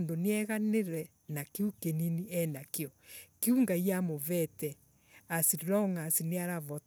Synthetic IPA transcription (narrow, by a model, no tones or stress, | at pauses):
ndoneɛɣaneɾɛ | nakeukeniniɛnakeɔkeuŋɡaiamovɛtɛ | asiɾɾɔŋasineaɾaβɔt